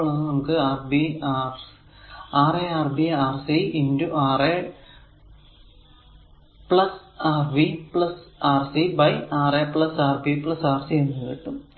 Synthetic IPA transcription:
ɭɐnnɐmukːɨaːrbiaːrs | aːreːaːrbiaːrsiinduʔaːre | pɭɐsaːrʋipɭɐsaːrsibɐjaːreːpɭɐsaːrbipɭɐsaːrsienːɨkḭʈːum

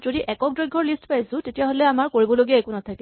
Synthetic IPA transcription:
zodiʔɛkɔkdɹɔjɡʱɔɹlistpajsʊ̃tetijaɦolɛamaɹkoɹibɔloɡiaekunatʰakɛ

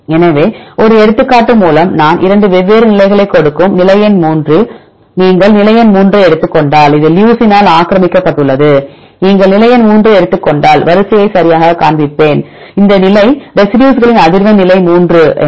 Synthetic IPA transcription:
ɛnɐʋeːɔɾɯɛɽɯt̪ːɯkːaːʈːɯmːuːlɐmnaːnʔɪɾɐɳɖɯʋɛʋːeːɾɯnɪlɐɪɣɐɭɐɪkːɔɽɯkːɯmnɪlɐjɐnmuːndrɯ | niːŋɡɐɭnɪlɐjɐnmuːndrɯɛɽɯt̪ːɯkːɔɳɖaːlɪðɯljuːsɪnaːlaːkɾɐmɪkːɐpːɐʈːɯɭːɐðɯ | niːŋɡɐɭnɪlɐjɐnmuːndrɯɛɽɯt̪ːɯkːɔɳɖaːlʋɐɾɯsɪjɐɪsɐɾɪjaːɣɐkaːɳb̪ɪpːeːn | ɪnd̪ɐnɪlɐɪɾɛsɪɖjuːsɣɐɭɪnɐðɪɾʋɐnɪlɐɪmuːndrɯ

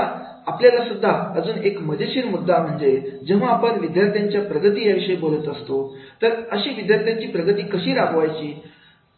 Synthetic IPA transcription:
apljalasud̪ʱːaəd͡zuːnekməd̪eɕiːnmud̪ːam̤əɳd͡zed͡ʑẽʋ̤aːpəɳʋid̪jaɾt̪ʰjaɲt͡ɕjapɾəɡət̪iːjaʋiɕəibolət̪əst̪ot̪əɾəɕiːʋid̪jaɾt̪ʰjaɲt͡ɕiːpɾəɡət̪iːkəɕiːɾakʰʋajt͡ɕiː

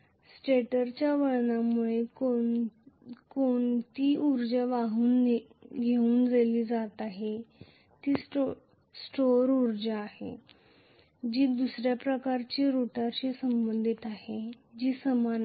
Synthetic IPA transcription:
sʈeʈəɾt͡ɕjaʋəɭɳamuɭeo | koɳt̪iːuɾd͡ʑəʋaɦuːnɡʱeuːnd͡zaliːd͡zat̪aɦe | t̪iːs | sʈoɾuɾd͡ʑaːɦḛ | d͡ʑiːd̪usɾjapɾəkaɾt͡ɕiːɾuʈaɕesəmbənd̪ʱit̪aɦe | d͡ʑiːsəman

